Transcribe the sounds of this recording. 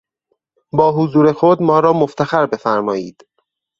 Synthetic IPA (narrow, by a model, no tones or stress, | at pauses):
bɒːɦozuːɾe̞xod̪mɒːɾɒːmoft̪ʰæxæɾbe̞fæɾmɒːjiːd̪̥